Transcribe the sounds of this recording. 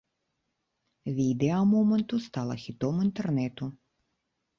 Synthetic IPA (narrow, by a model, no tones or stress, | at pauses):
vʲid̪ɛɐmɔmɛnt̪ʊst̪ɑlˠɐxʲit̪ɔmint̪ɛrnɛt̪ʊ